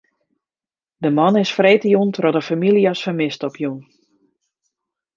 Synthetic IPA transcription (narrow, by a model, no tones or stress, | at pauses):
dəmɑnɪsfreːtəjuntrɔdəfamilˠiasfəmɪstɔpjun